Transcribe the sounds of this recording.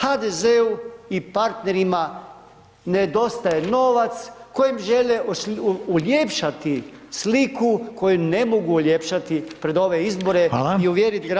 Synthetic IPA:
had̪ezeuipaɾt̪ne̞ɾima | ned̪o̞st̪ajeno̞ʋat̪sko̞jimʒele | ulʲjepʃat̪i | slikʰuko̞june̞moɡuɔljepʃat̪ipɾe̞d̪o̞ʋe̞izbo̞ɾealaiuʋjeɾit̪ɡɾa

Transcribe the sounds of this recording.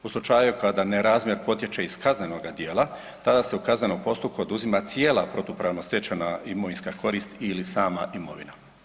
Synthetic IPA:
uslˠut͡ʃaːjukad̪aneɾaːzmje̞ɾpo̞t̪je̞t͡ʃeiskaznenoɡad̪je̞ːlˠa | t̪ad̪aseukazne̞nompo̞st̪up̚kuod̪uzimat̪sije̞ːlˠapɾo̞t̪upɾaʋnost̪jet͡ʃanaimo̞ʋinskakʰo̞ɾiːst̪ilisaːma̰ʔimo̞̰ʋḭna

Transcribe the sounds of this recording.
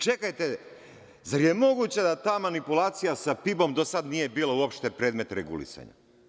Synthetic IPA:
t͡ʃe̞kajt̪e̞ | zaɾje̞mo̞ɡut͡ɕad̪at̪aːmanipulaːt̪sijasapibo̞md̪o̞sad̪nijebiːlouopʃt̪e̞pɾe̞ːd̪me̞t̪ɾeɡṵlḭsa̰ɲa̰

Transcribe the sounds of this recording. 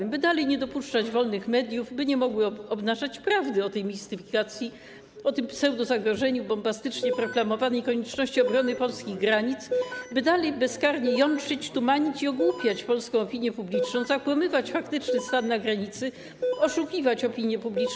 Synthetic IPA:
mbɘd̪alɛjɲɛd̪ɔpuʂt͡ʂad͡ʑvɔlnɘxmɛd̪ʲjuvbɘɲɛmɔɡwɘɔbnaʐat͡ɕpɾavd̪ɘɔt̪ɛjmʲist̪ɘfʲikat̪sʲji | ɔt̪ɘmpsɛwd̪uzaɡɾɔʐɛɲubɔmbast̪ɘt͡ʂɲɛpɾɔklamɔvanɛjkɔɲɛt͡ʂnɔɕt͡ɕiɔbɾɔnɘpɔlskʲiɣɡɾaɲit̪sbɘd̪alɛjbɛskaɾɲɛjɔnt͡ʂɘt͡ɕt̪umaɲit͡ɕiɔɡwupʲjat͡ɕpɔlskɔ̃w̃ɔpʲiɲjɛpublʲit͡ʂnɔ̃w̃zakwamɘvat͡ɕfakt̪ɘt͡ʂnɘst̪anːaɡɾaɲit̪sɘ | ɔʂukʲivat͡ɕɔpʲiɲjɛpublʲi

